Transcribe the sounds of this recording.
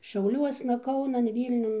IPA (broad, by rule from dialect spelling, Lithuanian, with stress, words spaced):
ʃʲɛʊˈlʲuɔsnɐ ˈkɐʊnɐn ˈʋʲiːlʲnʲʊn